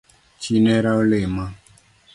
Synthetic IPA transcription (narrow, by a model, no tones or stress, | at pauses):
t͡ʃinɛɾaolema